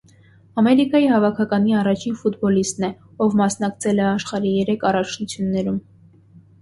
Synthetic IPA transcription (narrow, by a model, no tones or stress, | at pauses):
ɑmɛɾikɑjihɑvɑkʰɑkɑniɑrɑt͡ʃʰinfut̪bɔlist̪nɛ | ɔvmɑsn̪ɑkt͡sʰɛlɛɑʃχɑɾijɛɾɛkʰɑrɑt͡ʃʰnut͡sʰjunːɛɾum